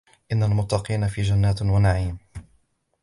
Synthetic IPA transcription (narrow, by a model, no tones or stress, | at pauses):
ʔɪnːalmʊt̪ːɑqiːnafiːd͡ʒanːaːt̪wanaʕiːm